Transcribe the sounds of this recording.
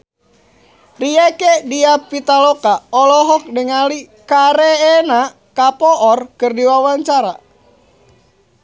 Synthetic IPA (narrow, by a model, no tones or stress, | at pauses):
riekediapit̪alɔkaɔlɔɦɔk̚dəŋali | kaɾeːna | kapɔʔɔrkɨrdiwawaɲt͡ʃaɾa